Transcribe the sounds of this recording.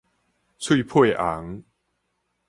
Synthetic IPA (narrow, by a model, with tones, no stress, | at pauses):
t͡sʰwi˦˥˧pʰwe˥˧˨ʔa˨˦ŋ